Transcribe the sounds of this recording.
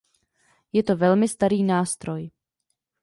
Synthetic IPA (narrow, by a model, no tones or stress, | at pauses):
jɛt̪o̞vɛlmɪst̪aɾiːnaːst̪ɾo̞j